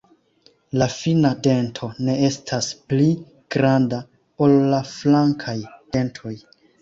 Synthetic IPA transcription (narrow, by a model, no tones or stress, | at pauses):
lafinade̞ntʰo̞ne̞e̞stʰaspli | ɡ̥ɾanda | o̞lːaflaŋkʰajd̥e̞ntʰo̞j